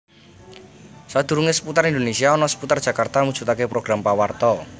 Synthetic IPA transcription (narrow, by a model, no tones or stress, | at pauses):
sad̪̥ṳɾuŋesə̥put̪aɾind̪onesiaɔnɔsə̥put̪ard̥ʒ̥a̤kart̪amud̥ʒ̥ut̪akepɾoɡ̥ɾampawart̪ɔ